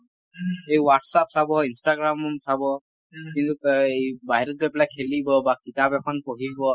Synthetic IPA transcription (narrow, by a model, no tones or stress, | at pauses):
ejwaʈsap̚sabɔinstaɡɹamɔmsabɔ | kint̪uebaɦiɾɔt̚kuɛpɛlajkʰelibɔbakitabɛkʰɔnpoɦibɔ